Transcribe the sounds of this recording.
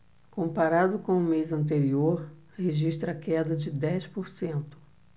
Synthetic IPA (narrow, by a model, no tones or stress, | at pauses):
kõmpaɾad̪ʊkõw̃ʊmejzɐ̃nt̪̬eɾioɾ | heʒiʃt̪ɾɐkɛd̪ɐd͡ʒɪd̪ɛspoɾsẽnt̪ʊ̥